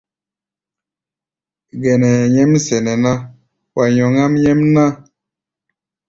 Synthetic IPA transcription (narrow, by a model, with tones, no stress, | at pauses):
ɡɛ˨nɛ˨ɲɛ˦msɛ˨nɛ˨na˦ | wa˨ɲɔ˨ŋa˦mɲɛ˦mna˦